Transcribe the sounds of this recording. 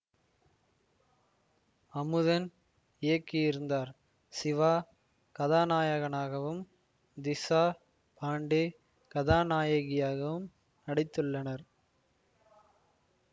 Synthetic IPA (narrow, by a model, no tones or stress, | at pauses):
ɐmɯðɐn | ɪjɐkːɪjɪɾɯnd̪aːɾ | sɪʋaː | kɐðaːnaːjɐɣɐnaːɣɐʋɯm | d̪ɪsaː | pʰaːɳɖeː | kɐðaːnaːjɐɣɪjaːɣɐʋɯm | nɐɽɪt̪ːɯɭːɐnɐɾ